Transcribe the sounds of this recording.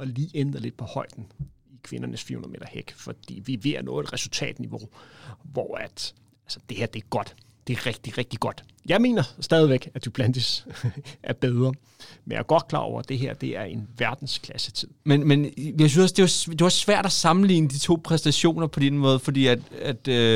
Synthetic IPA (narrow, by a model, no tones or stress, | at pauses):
ɒ̽liːʔend̥ɐle̝d̥̚pʰɒ̽hɒ̽ɪ̰d̥n̩ | ikʰʋe̝nɐnəsfḭonɐme̝̰d̥ɐheɡ̥fɒ̽d̥ḭːʋiʋe̝ɐnɔ̽ːe̥ʁɛsult͡sʰɛ̰ːd̥niʋo̝ʋɒæd̥ | ælsɐ̥d̥e̝heɐ̰d̥e̝æɐɡ̥ɒ̽d̥ | d̥e̝æʁɛɡ̥̚d̥iʁɛɡ̥̚d̥iɡ̥ɒ̽d̥ | jɑ̈ɪme̝̰ːnɐsd̥ɛːð̞ˠiʋeɡ̥æd̥ub̥ʰlænd̥əs | ʔæɐb̥eð̞ˠʁɐ | menja̰ɡ̥ɒ̽d̥̚kʰlɑ̈ɒ̰ʊ̰ɐd̥e̝ɦeɐ̰d̥e̝æɐe̝nʋæɐd̥n̩skʰlæsət͡sʰið̰ˠmenmenjɑɪsynsɒ̽sd̥e̝ʋɑd̥e̝ʋɒ̽sːʋæɐ̰d̥æsɑ̈mn̩lḭːnəd̥it͡sʰo̝̰ːpʰʁɛsd̥æɕo̝̰ːnɐpʰɒ̽d̥enəmɔ̽ːð̞̩ˠfɒ̽d̥ḭːæd̥æd̥